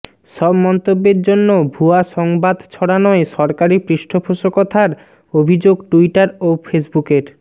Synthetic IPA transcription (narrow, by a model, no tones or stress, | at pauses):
ʃɔbmɔnt̪obːeɾd͡ʑonːobʱuaʃɔŋbad̪t͡ɕʰɔɽanɔeʃɔɾkaɾipɾiʃʈʰopʰoʃokɔt̪ʰaɾ | obʱid͡ʑoɡʈuiʈaɾofʰesbukeɾ